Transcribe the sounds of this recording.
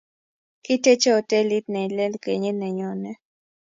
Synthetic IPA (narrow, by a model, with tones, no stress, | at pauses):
ki˦tɛ˦t͡ʃɛ˦ɔ˨tɛ˦li˦t̚nɛ˨i˨lɛ˦lke˨ɲe˦nɛ˨ɲɔ˨nɛ˦